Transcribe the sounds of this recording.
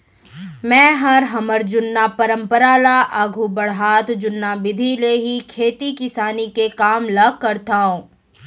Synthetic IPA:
mɛ̃ːɦɐɾɦɐməɾd͡ʒʊnːapɐɾə̃mpəɾaːlaʔaɡʱubɐɽɦaːt̪d͡ʒʊnːabɪd̪ʱileɦikʰeːt̪ikɪsaːnikekaːmlɐɡ̚kɐɾt̪aɦũː

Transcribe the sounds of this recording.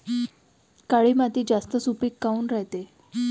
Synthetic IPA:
kaɭiːmat̪iːd͡zast̪əsupiːkːauːnɾaɦt̪e

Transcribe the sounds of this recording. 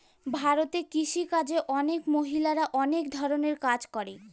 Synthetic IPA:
bʱaɾot̪ekiʃikad͡ʑeʔɔnekmoɦilaɾaʔɔnekd̪ʱɔɾoneɾkad͡ʑkɔɾe

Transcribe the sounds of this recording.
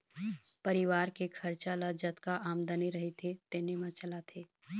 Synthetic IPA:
pɐɾɪʋaːɾkekʰɐɾt͡ʃalad͡ʒɐt̪kaʔaːmd̪əneɾɐɦet̪ʰet̪enemãt͡ʃɐlat̪ʰeː

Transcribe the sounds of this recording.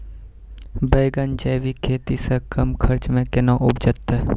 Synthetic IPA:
bəːɡənd͡ʒəːʋikʰeːt̪isekɐmkʰɐɾt͡ʃmẽkɪnãʔʊbd͡ʒət̪ːe

